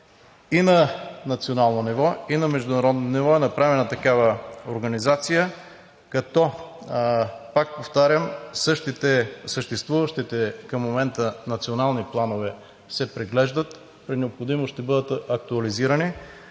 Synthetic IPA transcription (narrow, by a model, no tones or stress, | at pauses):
inɐnɐt̪sionalˠnonivɔinɐmɛʒd̪ʊnɐɾɔd̪nonivɔɛnɐpɾavɛnət̪ɐkavəoɾɡɐnizat̪sijə | kɐt̪ɔ | pak̚poft̪aɾʲəmsɤʃt̪it̪ɛsəʃt̪ɛst̪vuvəʃt̪it̪ɛkɐmːomɛnt̪ənɐt̪sionalˠniplˠanovɛ | sɛpɾiɡlɛʒd̪ət̪ | pɾinɛopxod̪imoʃt̪ɛbɤd̪ət̪ɐk̚t̪uɐliziɾɐni